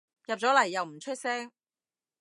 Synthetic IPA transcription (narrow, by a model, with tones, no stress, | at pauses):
jɐ˨p̚t͡sɔː˨˥lɐ˨˩jːɐ˨wm̩˨˩t͡ʃʰɵ˥t̚sɛː˥ŋ